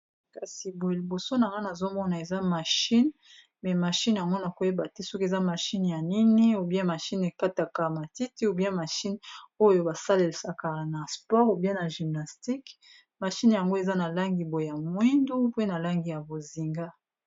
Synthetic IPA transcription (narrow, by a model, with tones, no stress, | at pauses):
ka˨si˨bo˨e˨li˨bo˨so˦na˨ŋɡa˦na˨zo˦mɔ˦na˨e˨za˦ma˨ʃi˦n | mɛ˨ma˨ʃi˦nja˨ŋɡo˦na˨ko˨je˦ba˨te˦sɔ˦ke˨za˦ma˨ʃi˦n˨ja˨ni˦ni˦o˨bi˦a˦ma˨ʃi˦ne˨ka˦ta˨ka˨ma˨ti˦ti˦o˨bi˦a˦ma˨ʃi˦no˦jo˨ba˨sa˦le˨lsa˨ka˨na˨spɔ˦ʁo˨bi˦a˦na˨ʒi˨mna˨sti˦k | ma˨ʃi˦nja˨ŋɡo˦e˨za˦na˨la˦ŋɡi˨bo˨jja˨mwi˦ndu˦pe˦na˨la˦ŋɡi˨ja˨bo˨zi˨ŋɡa˦